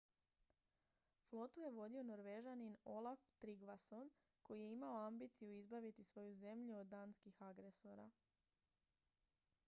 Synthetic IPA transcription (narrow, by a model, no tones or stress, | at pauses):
flˠo̞t̪uje̞ʋo̞d̪io̞no̞ɾʋe̞ʒanino̞lˠaft̪ɾiɡʋaso̞n | ko̞jije̞imaoambiːt̪sijuizbaʋit̪isʋo̞juze̞mʎuod̪ːaːnskixaɡɾe̞so̞ɾa̰